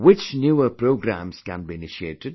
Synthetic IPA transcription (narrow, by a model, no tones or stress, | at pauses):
wɪt͡ʃnjuːəpʰɾoʊɡɾæ̰̃mz̥kæ̰̃nbiːɪnɪʃietɪd̚